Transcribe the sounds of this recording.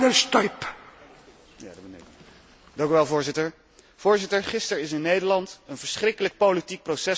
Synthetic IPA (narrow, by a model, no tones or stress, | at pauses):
ənst̪ɔjp | ja̰dbənḛ | dɑŋkyʋɛlˠvʊːɹzɪtəɹ | v̥ʊːɹzɪtəɹχɪstəɹɪs̬ɪnːejdəɹlɑntənvəɹsχrɪkələk̚powlitik̚prosɛ